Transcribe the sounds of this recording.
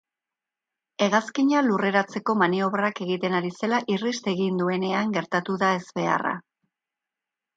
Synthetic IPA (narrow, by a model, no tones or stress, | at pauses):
e̞ɣaskiɲalure̞ɾat͡se̞ko̞manio̞βrake̞ɣit̪e̞naɾise̞laʔirist̪e̞ɣind̪ue̞ne̞aŋɡe̞ɾt̪at̪uðae̞zβe̞a̰ra̰